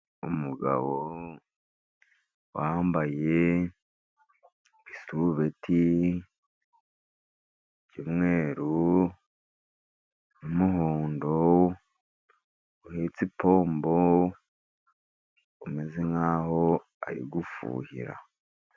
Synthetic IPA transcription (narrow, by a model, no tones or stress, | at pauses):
umuɡa̰βo | wambaje | βisuβeti | cimŋe̞ːɾu | umuhoːndo | uhet͡sipo̞ːmbo | umezeŋaːho | a̰ɾḭɡufṵːhḭɾa̰